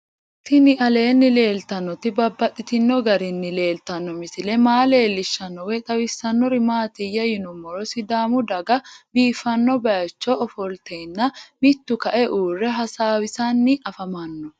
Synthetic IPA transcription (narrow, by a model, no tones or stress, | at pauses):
t̪ɪnɪʔɐleːnːɪle̞ːlt̪ɐnːɔt̪ɪbɐbːɐt̪ʼːɪt̪ɪnːɔɡɐɾɪnːɪle̞ːlt̪ɐnːɔmɪsɪlɛmaːle̞ːlːɪʃːɐnːɔwɛt̪ʼɐwɪsːɐnːɔɾɪmaːt̪ɪjɐjɪnʊmːɔɾɔsɪd̪aːmʊd̪ɐɡɐbiːfɐnːɔbɐjɐt͡ʃːɔːfɔlt̪enːɐmɪt̪ːʊkɐʔɛʔuːrːɛɦɐsaːwɪsanːɪʔɐfɐmɐnːɔ